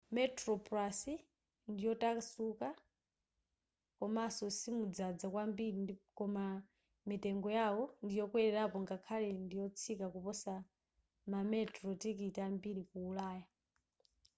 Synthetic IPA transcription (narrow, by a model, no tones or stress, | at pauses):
mɛtɾɔplasi | ndijɔtasuka | kɔmaːsɔsimud͡zad͡zakwambiɾikɔma | mitɛŋɡɔjawɔndijɔkwɛɾɛɾapɔŋɡakʰalɛndijɔt͡sʰikakupɔsa | mamɛtrɔtikitambiɾikuːlaːja